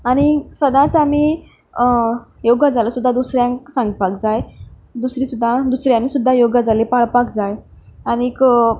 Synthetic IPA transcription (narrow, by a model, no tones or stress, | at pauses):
aɽ̃isʋəd̪ãt͡sami | joɡad͡zaləsud̪ʱːad̪usɾjãŋksãŋɡpakd͡zaj | d̪usɾĩːsud̪ʱːad̪usɾjãmisud̪ʱːajoɡad͡zalepaɭpakd͡zaj | añik